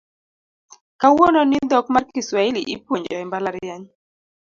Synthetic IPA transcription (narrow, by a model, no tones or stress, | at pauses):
kawonɔnɪnd̪ɔkmarkiswailiʔipwoɲd͡ʒɔɛmbalaɾjaɲ